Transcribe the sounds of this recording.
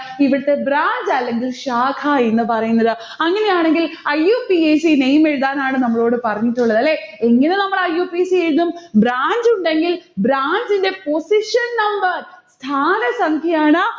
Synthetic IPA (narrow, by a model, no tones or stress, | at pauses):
iʋiɽɐt̪ːe̞bɾaːɲd͡ʑɐlːe̞ŋɡilɕaːkʰaenːɨpɐrɐjunːɐðɨ | ɐŋːɐne̞jaːɳe̞ŋɡilɐjːuːpieːsinejmeɻuðaːnaːɳɨnɐmːɐɭo̞ːɽɨpɐrɐɲːitːuɭːɐðɐlːe̞ːeŋːɐne̞nɐmːɐɭɐjːuːpisieɻuðumbɾaːɲd͡ʑuɳɖe̞ŋɡilbɾaːɲd͡ʑinde̞po̞siʂɐnnɐmbɐrst̪ʰaːnɐsɐŋkʰɐjaːɳɨ